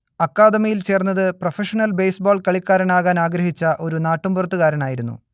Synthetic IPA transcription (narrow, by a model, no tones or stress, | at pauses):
ɐkːaːd̪ɐmɐjilt͡ɕe̞ːrnːɐðɨprɐfeʂɐnɐlbejsboːɭkɐɭikːaːɾɐnaːɣaːnaːɡɾɐɦit͡ɕːɐʔo̞ɾunaːʈːumburɐt̪ːuɣaːɾɐɳaːjiɾunːṵ